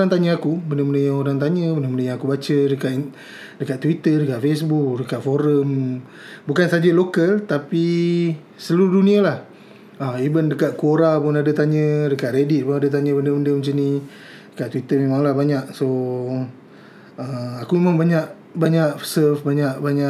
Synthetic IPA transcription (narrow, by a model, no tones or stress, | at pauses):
aŋt̪aɲəakubəndəməndəjaŋoɾaŋt̪̬aɲə̃bəndəməndəjaŋakubat͡ʃədəka | dəkaʔt̪ːwit̪ərdəkaʔ̚fesbuk̚dəkatʔ̪foɾəm | bukansad͡ʒalokəlt̪api | səluɾuduniəlah | aibəndəkaʔ̪̚kuoɾapʊnadət̪aɲə̃dəkaʔ̪redit̪̚pʊnadət̪̬aɲəbəndəbəndəmət͡ʃini | dəkaʔt̪wit̪əmemaŋlahbaɲaʔso | əmakumemaŋbaɲaʔ | baɲaʔsəfbaɲaʔbaɲa